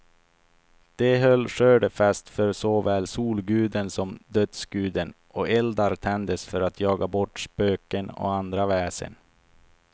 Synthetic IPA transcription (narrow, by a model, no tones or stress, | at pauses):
d̪̥ɛɦœlːʂøːɖəfast̪fœɾsɔvɛːlsuːlɡʉ̟ːd̪ənsɔmd̪œt̪sɡ̥ʉ̟ːd̪ənʔɔɛld̪aɾt̪ʰɛnd̪əsfœɾat̪ʰjɑːɡabɔʈːspøːkənɔ̰and̪ɾavɛːsə̰n